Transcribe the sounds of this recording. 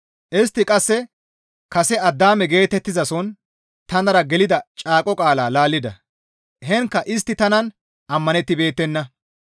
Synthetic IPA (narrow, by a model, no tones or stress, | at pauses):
ʔɪst̪ːɪkʼɐsːɛ | kɐsɛɐd̪ːaːmɛɡe̞ːt̪ɛt̪ːɪzɐsɔn | t̪ɐnɐɾɐɡɛlɪd̪ɐt͡ʃʼaːkʼɔkʼaːlaːlaːlːɪd̪ɐ̰ | ɦɛŋkːɐʔɪst̪ːɪt̪ɐnɐn | ʔɐmːɐnɛt̪ːɪbe̞ːt̪ːɛnːɐ